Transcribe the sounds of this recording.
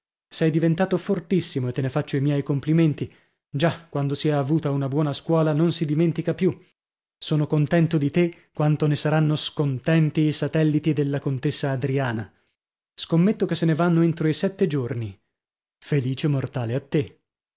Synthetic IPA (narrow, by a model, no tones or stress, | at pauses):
sɛjd̪ivent̪aːt̪ofort̪isːimoet̪ːenefat͡ʃːoimjɛjkompliment̪i | d͡ʒakwand̪osiɛaːvuːt̪aunabwɔːnaskwɔːlanonsid̪iment̪ikapju | soːnokont̪ɛnt̪od̪it̪ekːwant̪onesaɾanːoskont̪ɛnt̪iːsat̪ɛlːit̪id̪elːakont̪esːaːd̪ɾiaːna | skomːet̪ːokesːenevanːoent̪ɾoisɛt̪ːed͡ʒorni | feliːt͡ʃemːort̪aːleat̪ːe